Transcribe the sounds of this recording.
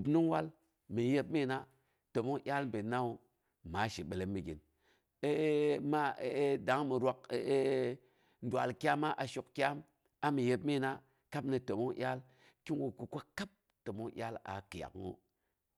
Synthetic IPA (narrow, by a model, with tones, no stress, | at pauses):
u˨bnu˦wa˦l | mi˨je˦b̚mi˦˨na˦ | to˨mo˦ŋʔʲa˦lm˨be˨na˦u˨ | ma˨˦ʃi˨ɓe˨le˦mːi˨ɡḭ˨n | e˦ma˦˨˦da˨˦ŋmi˨ɾa˦k̚ | n˦dwa˨lkʲa˦ma˦ʔa˨ʃu˨kkʲa˦m | a˨˦mi˨je˨b̚mi˦˨na˦ | ka˦pni˨to˨mo˦ŋʔʲjʲa˦l | ki˦nwo˨ku˨ko˦ka˦p̚ | to˨mo˦ʔʲa˦la̰˨ki˨ja̰˨kŋo̰˦